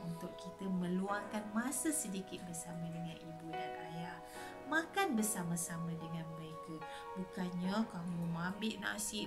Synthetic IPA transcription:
unt̪ʊkkit̪əmə̃luaŋkanmasəsədikɪt̪̚bərsamãdəŋãnʔibudanajah | makanbərsamasamãdəŋãnməɾeka | bukanɲakamumambɪʔna̰si

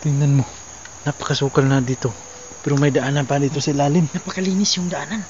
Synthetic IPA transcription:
t̪ɪŋnanmo̞ | nɐpɐ̥kɐsuːkɐlnɐd̪iːt̪o̞ | pɛːɾomɐjd̪ɐʔaːnɐnpad̪iːt̪osɪlaːlɪnnɐpɐkɐliːnɪsjʊŋd̪ɐʔaːnan

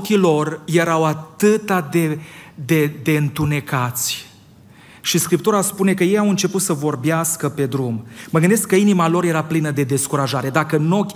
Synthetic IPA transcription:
kʲilo̞rje̞ɾawat̪ɨt̪ad̪e̞d̪e̞d̪e̞ɨnt̪une̞kat̪sʲ | ʃiskɾip̚t̪uɾaspune̞kəje̞jawɨnt͡ʃe̞put̪səvo̞rbeaskəpe̞d̪ɾumməɡɨnd̪eskːəinimalo̞ɾje̞ɾaplinəd̪e̞d̪e̞skuɾaʒaɾe̞d̪akəno̞kʲ

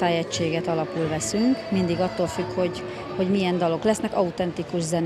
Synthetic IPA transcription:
aːjɛct͡ʃːeːɡɛt̪ɒlɒpulvɛsyŋkmind̪iɡɒt̪ːoːlfykho̞ɟ | ho̞ɟmijɛnd̪ɒlo̞klɛsnɛkɒut̪ɛnt̪ikuʒzɛn

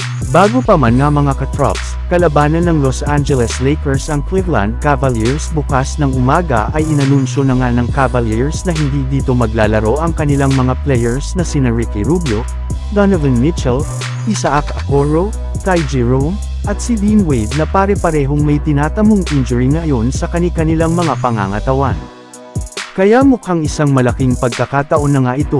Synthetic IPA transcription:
baːɡopɐmanŋɐmɐŋakɐt̪ɾa̰ps | kɐlɐbaːnɐnːɐŋlosʔand͡ʒɛlɛslɛjkɛɹsɐŋkwiɾlɐ̰nd̪̚kavɐliɹsbʊkasnɐŋʊmaːɡɐ̰ʔɐjʔɪnɐnunʃonɐŋanɐŋkavɐliɹsnɐhɪnd̪id̪iːt̪o̞mɐɡ̚laːlɐɾo̞ʔɐŋkɐnɪlaŋmɐŋaplɛjɛɹsnɐsinɐɹikɪɾubjo | d̪anɐvɛnmɪt͡ʃɛl | ʔɪsaʔakɐkoɹo | k̪ajd͡ʒiɹowm | ʔɐt̪̚sid̪inwɛd̪̚nɐpaɾɛpɐɾɛɦo̞ŋmɐjt̪ɪnaːt̪ɐmoŋʔɪnd͡ʒʊɹiŋɐjo̞nsɐkɐnɪkɐnɪlaŋmɐŋapɐŋa̰ːŋɐt̪ɐwan | kɐjamʊkaŋɪsaŋmɐlɐkiŋpɐɡ̚kɐkaːt̪ɐʔo̞nːɐŋaʔɪt̪o̞

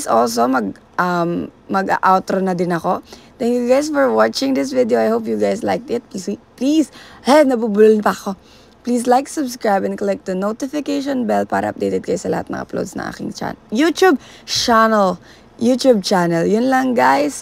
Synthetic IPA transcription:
sols̬omɐɡ | ɐmːɐɡa̰ʔawt̪ɾonɐd̪ɪnɐkot̪ɛ̃ŋkjuɡajs̬fɔɹwɑt͡ʃɪ̃ŋd̪ɪs̬vɪd̪ioajhoːpjuɡajsla̰jk̪̚ɪt̪̚piipliːshɛnɐbubullɪnpɐko | pliːs̬lajksʊbskɹajbɛ̃nklɪk̚t̪ɐnot̪ɪfɪkejʃɔ̃nbɛlpa̰ːɾɐ̰ʔɐ̰p̚d̪ejt̪ɛd̪̚kajsɐlɐha̰t̪̚nɐ̰ŋʔɐ̰plo̰ːd̪snɐ̰ŋʔa̰ːkɪ̰ŋt͡ʃa̰jut̪jub | t͡ʃanɛl | juːt̪jub̚t͡ʃanɛljʊnlɐŋɡajs

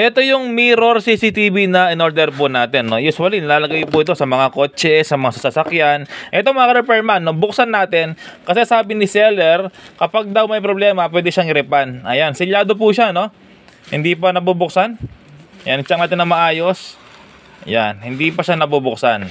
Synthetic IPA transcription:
ʔɛt̪o̞jʊŋmiɾo̞ɾsiːsit̪iːbinɐʔɪno̞ɾd̪ɛɾpʊnaːt̪ɛnːo̞juːswɐlinɐlaːlɐɡajpʊʔɪt̪osɐmɐŋako̞ːt͡ʃɛsɐmɐŋasɐsɐsɐkjanʔɛt̪o̞mɐŋɐkɐɾɛpɛɹmanːo̞bʊksanːaːt̪ɛnkɐsɛsaːbɪnɪsɛlɛɾkɐpaɡ̚d̪ɐwmɐjpɾoblɛːmɐpwɛːd̪ɪʃaŋɪɾɛpanʔɐjansɪljaːd̪o̞p̬uʃano̞ | hɪnd̪iːp̬ɐnɐbubʊk̚sanjant͡ʃɐŋnaːt̪ɪnːɐmɐʔaːjo̞s | ʔja̰nhɪnd̪ipɐʃanɐbubʊksan

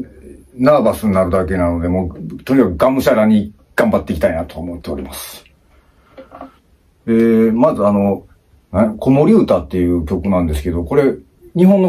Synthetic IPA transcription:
naːbasɨɲ̟inaɾɯ̟d̪ake̞nano̞d̪e̞moːt̪o̞ɲ̟ikakɯɡãmɯ̟ɕaɾaɲ̟i | ɡ̥ãmbat̪ːe̞kʲit̪ainat̪oaomo̞t̪ːe̞oɾʲḭmasɨ̥ | eːmazɨano̞ | nako̞mo̞ɾʲɯ̟ːt̪aːt̪ːe̞jɯ̟ːkʲo̞kɯ̟nãnd̪e̞sɨ̥ke̞d̪o̞ko̞ɾe̞ | ɲ̟iɦõnːo

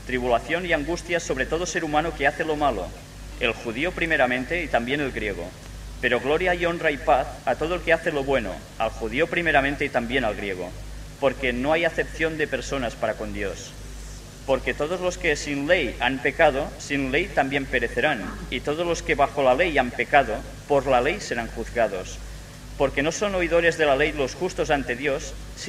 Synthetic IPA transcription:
t̪ɾiβulaθjoniaŋɡust̪jasoβɾet̪oð̞oseɾumanokeaθelomalo̰ | elxuðiopɾimeɾamẽnt̪eit̪ambjenelɣɾjeɣ̞o̰ | peɾoɣloɾjajonraipaθat̪oð̞oelkeaθeloβweno̰ | a̰lxuðiopɾimeɾamẽnt̪eit̪ambjenalɣɾjeɣ̞o̰ | poɾkenoajaθepθjond̪epeɾsonaspaɾakond̪jos | poɾket̪oð̞ozloskesinlejampekað̞osinlejt̪ambjempeɾeθeɾanit̪oð̞ozloskeβaxolalejampekaðo | pozlalejseɾaŋxuθɣað̞os | poɾkenosonoið̞oɾezðelalejlosxust̪ozant̪eðjosː

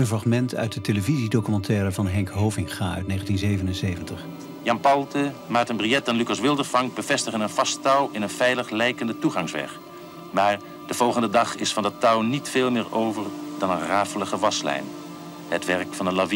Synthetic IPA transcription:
ənvrɑχmɛntœ̰ɥt̚dəteləvizidowkymɑntɛːrəvɑnɦɛŋkɦowvɪŋχaːœ̰ɥtnejχəntinzejvənənsejvəntəχ | jɑmpɑlˠdəmaːk̚tənbrijɛt̚danlykɑsʋɪlˠdəɹfɑŋk̚bəv̥ɛstəχənənv̥ɑstɑwɪnənv̥ɛjləχlɛjkəndətuχɑŋsʋɛ̰χ | maːɹ | d̥əv̥ɔlˠχəndədɑχɪsfɑndətɑwnitfeːlˠmɪːɹowvəɹdɑnənraːfələχəʋɑslɛ̰jn | ɦətʋɛrkfɑnəlavi

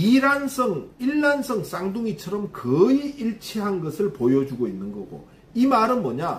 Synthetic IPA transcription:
iɾansʰʌŋiɭːansʰʌŋs͈aŋduŋit͡ɕʰʌɾʌmkɯiiɭt͡ɕʰeɦanɡʌsʰɯɭpojʌd͡ʑuɡoinːɯnɡʌɡo̰ | imaɾɯnmʌɲa

